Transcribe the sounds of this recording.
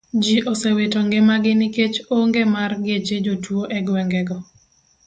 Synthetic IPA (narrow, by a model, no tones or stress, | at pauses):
d͡ʒiʔosewetoŋɡɛmaɡɪnɪket͡ʃoŋɡemarɡɪet͡ʃed͡ʒotwoʔɛɡwɛŋɡɛɡɔ